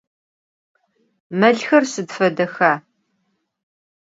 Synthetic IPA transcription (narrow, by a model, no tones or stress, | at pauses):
mɐɮxɐrsɨdfɐdɐxaː